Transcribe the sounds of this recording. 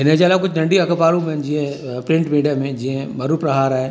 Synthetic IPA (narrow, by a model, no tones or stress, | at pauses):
ɦɪned͡ʒaːlakʊt͡ʃʰnɐ̃ɳɖiɐkəpaːɾũmẽd͡ʒiɦẽ | pɾɪ̃ɳʈmiːɖijəmẽd͡ʒiɦẽmɐɾupɾɐɦaːɾaɦe